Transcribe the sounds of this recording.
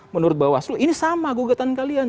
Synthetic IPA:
mənuɾʊt̪̚bawasloinisamaɡuɡat̪ankalian

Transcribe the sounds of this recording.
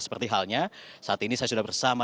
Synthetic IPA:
sə̥pərt̪iɦalɲasaat̪inisajas̬udahbərsama

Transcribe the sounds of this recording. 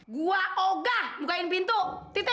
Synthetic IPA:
ɡuaoɡahmukainbint̪uʔt̪it̪i

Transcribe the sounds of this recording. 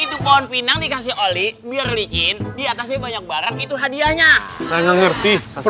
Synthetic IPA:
id̪upaɔnpinaŋdikas̬ɪhʔolibiarlid͡ʒɪndiat̪asɲabaɲak̚baɾanit̪uɦadiaɲasajaŋaŋərt̪i

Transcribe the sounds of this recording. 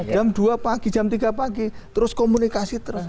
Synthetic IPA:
d͡ʒ̥amd̪̥uapaɡ̥i̥d͡ʒ̥amt̪iɡapaɡit̪əɾʊskomunikasit̪əɾʊs

